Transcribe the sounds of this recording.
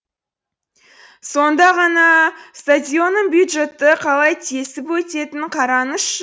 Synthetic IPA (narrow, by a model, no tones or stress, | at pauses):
so̞nd̪ɑʁɑnɑst̪adʲijo̞nəmbjud̪ʒe̞t̪ːɪqʰɑlˠɑjt̪ʰesɪpwɵt̪e̞t̪ɪɴqʰɑɾɑnəʃ